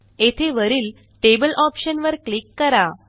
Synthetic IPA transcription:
et̪ʰeʋəɾiːl | ʈebəlʔɔpɕənʋəɾklikːəɾa

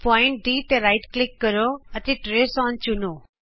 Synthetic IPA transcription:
pɔɪ̃ɳʈ̚d̪it̪eɾaɪʈklɪkːəɾoət̪eʈɾeːsɔːnt͡ʃʊnoː

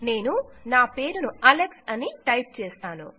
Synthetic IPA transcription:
ne̞ːnunaːpe̞ːɾunuʔɐleksɐniʈɐjp̚t͡ʃɛːst̪aːnṵ

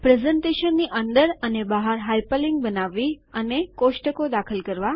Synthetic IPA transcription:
pɾezəɳʈeʃənːiʔənd̪əɾənebaɦaɾɦajpəliŋɡ̚bənaʋːi | ənekoʃʈəkod̪akʰəlkəɾʋa

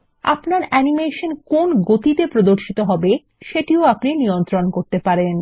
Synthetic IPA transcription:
a̰pnaɾɛnimeʃonkonɡot̪it̪epɾod̪oɾʃit̪oɦɔbe | ʃeʈioapninijont̪ɾonkoɾt̪epaɾen

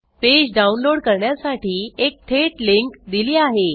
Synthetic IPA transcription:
ped͡ʑɖaunloɽkəɾɳjasaʈiːek̚ʈ̪ʰeʈliŋkd̪iliːaɦe

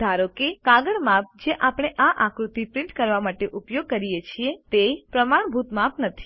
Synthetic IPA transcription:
d̪ʱaɾokekaɡəɽmap̚d͡ʒeʔapɽ̃eʔaʔãkɾut̪ipɾɪɳʈkəɾʋamaʈeʔupjoɡ̚kəɾijet͡ʃʰiet̪epɾəmaɳ̃bʱut̪mapnət̪ʰi̥

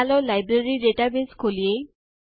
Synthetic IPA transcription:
alɔlajbɾaɹiɖeʈabeskʰolije

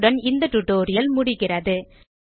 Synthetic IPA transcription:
ɽɐnɪnd̪ɐʈ̪ʊʈːoːɾɪjɐlmʊɽɪɣɪrɐðɯ

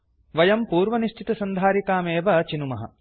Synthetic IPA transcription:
ʋɐjɐmpuːɾʋɐniʃʈʰit̪ɐsɐnd̪ʱaːɾikaːmeːʋɐt͡ʃinumɐɦɐ̰

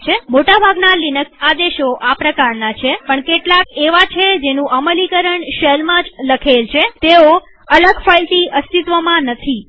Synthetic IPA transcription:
t͡ʃʰemoʈabʱaɡnalinəksad̪eʃoʔapɾəkaɾnat͡ʃʰepəɳkeʈlakeʋat͡ʃʰed͡ʒenũʔəməlikəɾəɳʃelmãd͡ʒləkʰelt͡ʃʰet̪eo | ələɡfajlʈ̪iəst̪it̪ʋəmãnət̪ʰi

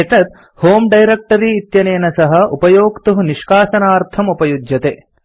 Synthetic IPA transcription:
eʈ̪ɐt̪̚ | hoːmɖɐjɾek̚ʈɐɾiːt̪jɐnejːnɐsɐɦɐ̆upɐjoːkt̪uɦuniʃkaːʃɐnaːɾt̪ʰɐmupɐjud͡ʒjɐt̪e

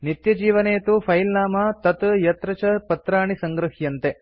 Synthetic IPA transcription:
nit̪jɐd͡ʒiːʋɐneːt̪upʰɐjlnaːmɐt̪ɐt̪jɐt̪ɾɐt͡ʃɐpɐt̪ɾaːɳisɐŋɡɾɐɦjɐnt̪e

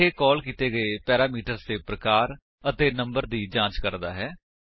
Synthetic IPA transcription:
eːkɔːlkiːt̪eːɡəepɛːɾaːmiːʈəɾst̪eːpɾəkaːɾ | ət̪eːnəmbəɾd̪iːd͡ʒãːt͡ʃkəɾd̪a̰ːɦɛː

